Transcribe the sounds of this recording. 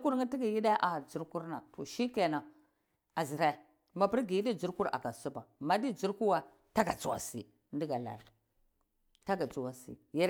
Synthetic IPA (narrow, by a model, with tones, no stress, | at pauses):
ku˦ɾŋi˦ti˦ɡi˨ji˦da˦ʔa˨d͡ʒu˦ɾku˦ɾna̰˨to˨ʃi˦ke˨na˨ | a˨zi˨ɾa˨i˨ | ma˨pi˦ɾɡi˨ji˦di˦d͡ʒu˦ɾku˦ɾa̰˨ɡa˨su˦ba˨ma˨di˦d͡ʒu˦ɾku˦wa˨ | ta˦ɡa˨t͡su˦˨wa̰˨sḭ˨ | ndi˦ɡa˨la̰˨ɾ | ta˦ɡa˨t͡su˨wa˨sḭ˨ja˦